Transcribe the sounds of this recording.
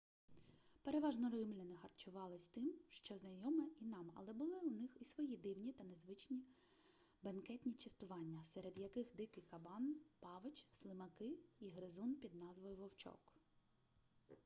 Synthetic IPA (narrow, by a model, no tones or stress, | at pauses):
pe̞ɾeʋɑʒnɔɾɪmlʲɪnɪxɐrt͡ʃʊʋɑlˠɪsʲt̪ɪmʃt͡ʃɔznɐjɔmɛinɑmɐ̰lˠɛbʊlˠɪʊnɪxisʋɔjid̪ɪwnʲit̪ɐnezʋɪt͡ʃnʲi | bɐnkɛt̪ʲnʲit͡ʃest̪ʊʋɑnʲːɐsɛɾed̪jɐkɪxd̪ɪkɪjkɐbɑnpɑʋet͡ʃslˠɪmɐkɪiɦɾɪzunpʲid̪nɑzʋɔjʊʋɔwt͡ʃɔ̰k